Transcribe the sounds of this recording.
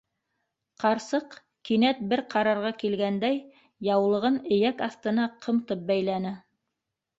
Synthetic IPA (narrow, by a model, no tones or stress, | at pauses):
qɑɾsɤq | kinæt̪̚bɘɾqɑɾɑɾʁɑkilɡænd̪æj | jɑwlˠɤ̆ʁɤnɘ̆jækɑθt̪ɤ̆nɑqʰɤ̆mt̪ɤp̚bæjlænɘ